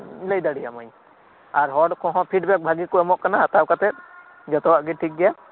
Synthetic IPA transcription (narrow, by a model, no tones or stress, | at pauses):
ləjd̪aɽijamaɲ | aɾɦɔɖkɔ̃ɦɔ̃pʰiɖbɛk̚bʱaɡikɔɛmɔʔkanaɦat̪awkat̪ɛt̪̚ | d͡ʒɔt̪ɔwaʔɡɛʈʰik̚ɡɛja